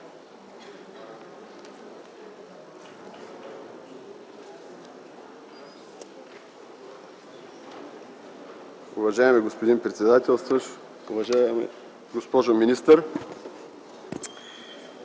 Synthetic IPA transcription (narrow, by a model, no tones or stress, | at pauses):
ʊvɐʒaɛmɛɡospod̪inpɾɛt̪sɛd̪at̪ʲɛlˠst̪və | uvɐʒa̰ | ɡospɔʒominʲist̪əɾ